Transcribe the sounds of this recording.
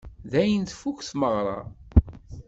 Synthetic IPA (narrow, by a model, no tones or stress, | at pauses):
ðæjənt̪fukθməʁɾˤɑ̰